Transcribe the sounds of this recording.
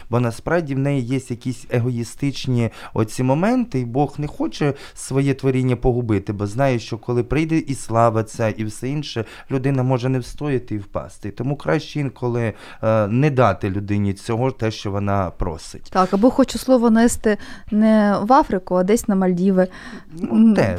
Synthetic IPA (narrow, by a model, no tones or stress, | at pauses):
bɔnɐspɾɑwdʲiwnɛjijesʲtʲjɐkʲisʲeɦɔist̪ɪt͡ʃnʲiɔ̰t͡sʲimɔmɛnt̪ɪibɔxnɛxɔt͡ʃɛ | sʋɔjɛt̪ʋɔɾʲinʲːɐpɔɦʊbɪt̪ɪbɔznɑjɛʃt͡ʃɔkɔlˠɪpɾɪjd̪ɛʔislˠɑʋɐt͡sʲɐiwsɛinʃɛ | lʲʊd̪ɪnɐmɔʒɛnɛwst̪ɔjɪt̪ɪiwpɑ̰st̪ɪt̪ɔmukɾɑʃt͡ʃɪinkʰɔlˠɪ | nɛd̪ɑt̪ɪlʲʊd̪ɪnʲit͡sʲɔɦɔt̪ɛʃt͡ʃɔʋɔnɑpɾɔ̰sɪ̥tʲt̪ɑkɐbɔxɔt͡ʃʊslˠɔʋɔnɛst̪ɪnɛʋɑfɾɪkʊɐd̪ɛsʲnɐmɐlʲdʲiʋɪ | nuɛ